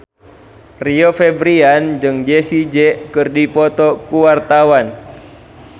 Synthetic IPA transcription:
riofɛbɾiand͡ʒɨŋd͡ʒɛsid͡ʒɛkɨrdipɔt̪ɔkuwart̪awan

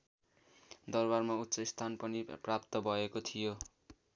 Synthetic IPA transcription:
d̪ʌrbarmaut̪ːsʌist̪ʰanpʌniprap̚t̪ʌbʱʌekot̪ʰijo

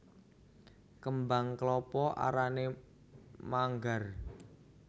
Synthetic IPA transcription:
kəmbaŋklɔpɔʔa̰ɾane | maŋɡar

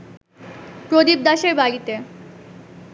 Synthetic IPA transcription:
pɾod̪ib̚d̪aʃeɾbalit̪e

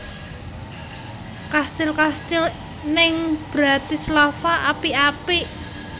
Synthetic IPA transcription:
kast̪ɪlkast̪ɪl | nɪŋb̥ɾat̪islafaʔapiapiʔ

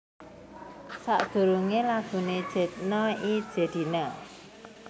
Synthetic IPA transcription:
sa̰ʔd̪̥ṳɾuŋelaɡ̥ṳned̥ʒ̥ɛ̤t̪̚nɔi̥ʒ̥ɛ̤d̪̥i̤na

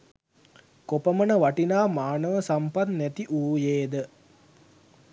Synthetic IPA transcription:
kopəmənəʋaʈinaːmaːnəʋəsampat̪nɛt̪iʔuːjeːd̪ə

